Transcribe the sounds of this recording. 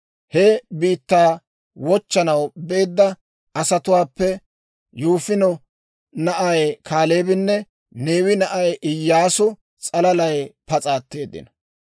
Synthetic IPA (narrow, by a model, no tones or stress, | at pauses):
hɛbiːt̪ːaː | wɔt͡ʃːɐnɐwbe̞ːd̪ːɐ | ɐsɐt̪ʊwaːpːɛ | juːfɪnɔ | nɐʔɐjkʰaːle̞ːbɪnːɛ | neːwɪnɐʔɐjʔɪjːaːsʊ | t͡sʼɐlɐlɐjpɐt͡sʼaːt̪ːe̞ːd̪ːɪ̰nɐ